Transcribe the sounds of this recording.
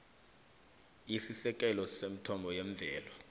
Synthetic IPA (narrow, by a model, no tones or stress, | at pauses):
isisɛk̬ʼɛlɔsem̩tʰɔmbʱɔjeɱb̪vʱɛːlɔ